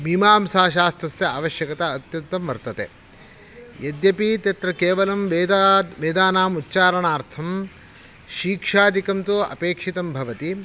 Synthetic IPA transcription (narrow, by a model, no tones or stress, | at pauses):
bʱimaːmsaːʃ̬aːst̪ɾɐsjɐaːʋɐʃjɐkɐt̪ɐːt̪jɐnt̪ɐmʋɐɾt̪ɐt̪ḛ | jɐd̪jɐpit̪ɐt̪ɾɐkeːʋɐlɐmʋeːd̪ʋeːd̪aːnaːmutːt͡ʃaːɾɐɳaːɾt̪ʰɐm | ʃiːkʂaːd̪ʱikɐmt̪uɐ̰peːkʂit̪ɐmbʱɐʋɐt̪i